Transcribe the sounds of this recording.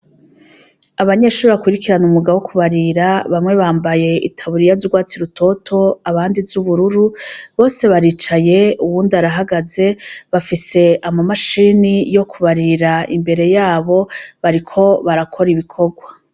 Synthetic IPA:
aβaɲe̞ːʃuɾβakwiɾikiɾanumuɡawokʰuβaɾiɾaβamŋe̞βaːmbaje̞ʔḭtʰaβuɾijazuɡwaːt͡siɾutʰo̞tʰo̞aβaːndizuβuɾuɾuβo̞ːse̞βaɾiːt͡ʃaje̞uβuːndaɾaɦaɡaze̞βafise̞ʔamamaʃinijo̞kʰuβaɾiɾaimbe̞ɾe̞jaːβo̞βaɾikʰo̞βaɾakʰo̞ɾiβikʰo̞ɡwa

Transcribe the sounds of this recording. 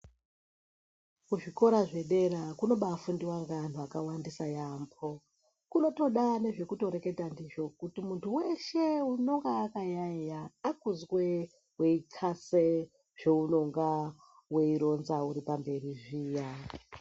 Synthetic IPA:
kuʐiko̞ɾaʐe̞ɗe̞ɾakuno̞ɓafundiwaŋɡan̤uakawandisajambo̞ | kuno̞to̞ɗane̞ʐe̞kuto̞ɾe̞ke̞tandiʐo̞kutimuntʰuwe̞ʃe̞uno̞ŋɡaːkaɲaɲaːkuzwe | we̞ikʰase | ʐ̥e̞uno̞ŋɡa | we̞iɾo̞nzauɾipambe̞riʐiːja

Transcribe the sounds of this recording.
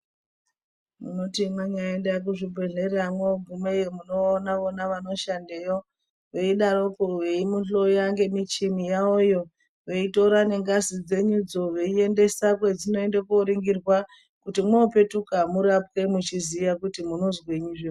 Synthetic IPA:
muno̞timaɲaendak̬uʐibʱweɮe̞ramwooɡʱume̞jemuno̞ːnaʋonaʋano̞ʃandejo̞ | ʋeiɗaɾokoweimunɬo̞jaŋɡe̞mit͡ʃimijaojo̞ | ʋe̞ito̞ɾane̞ŋɡazid͡ze̞ɲud͡zo̞ʋe̞ie̞nde̞sakwe̞d͡zino̞e̞ndekoɾiŋɡirwa | kutimwoope̞tukamuɾap̚ke̞mut͡ʃizijakutimuno̞zwe̞ɲiʐe

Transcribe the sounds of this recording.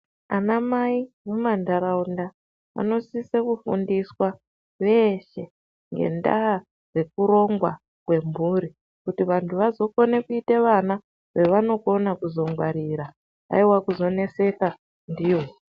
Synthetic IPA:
a̰namai | mumandaɾaunda | a̰no̞sisekufundiswa | ʋe̞ʃe̞ | ŋɡe̞̰nda̰a | re̞kuɾo̞ŋɡwa | kwe̞mbuɾi | kutiʋantʰuʋazo̞ko̞ne̞kuite̞ʋana | ʋe̞ʋano̞ko̞nakuzo̞ŋɡwaɾiɾa | a̰iwakuzo̞ne̞se̞ka | ndiːwo

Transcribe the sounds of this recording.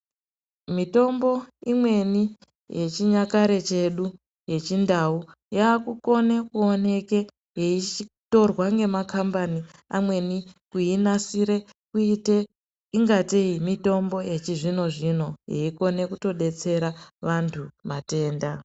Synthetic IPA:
mito̞mbo̞imwe̞ni | jet͡ʃiɲakaɾe̞t͡ʃe̞ɗu | je̞t͡ʃindau | jaːkuko̞ne̞kuo̞ne̞ke̞ | je̞it͡ʃito̞rwaŋɡe̞makambani | amwe̞nikujinasiɾe̞ | kuite | iŋɡatiimito̞mbo̞ʔe̞t͡ʃiʐino̞ʐino̞jḛiko̞ne̞kuto̞ɗe̞t͡se̞ɾaʋantʰumate̞ːnda

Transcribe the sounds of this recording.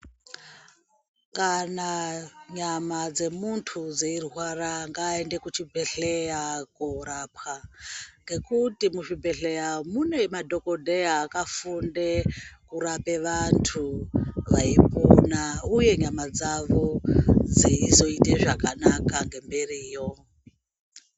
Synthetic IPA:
kanaɲamad͡ze̞muntʰud͡zeirɦwaraŋɡaende̞kut͡ʃibʱe̞ɬejakorapxaŋɡe̞kutimuʃibʱe̞ɬejamune̞madʱo̞ko̞dʱeaːkafundekuɾape̞ʋantʰuʋaiponauje̞ɲamad͡zaʋo̞d͡ziːzo̞iteʐakanakaŋɡe̞mberiːjo

